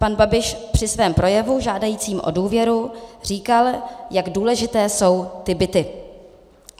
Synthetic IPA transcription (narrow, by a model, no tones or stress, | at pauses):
panbabɪʃpr̥ɪsvɛːmpɾo̞jɛvuʒaːdajiːt͡siːmʔo̞̰duːvjɛɾur̝iːkaljaɡduːlɛʒɪt̪ɛːso̞wt̪ɪbɪt̪ɪ